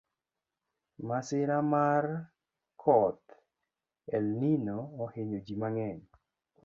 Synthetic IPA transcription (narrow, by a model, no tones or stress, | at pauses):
masɪɾamar | kʰɔt̪ | ɛlninoːheɲod͡ʒimaŋɛɲ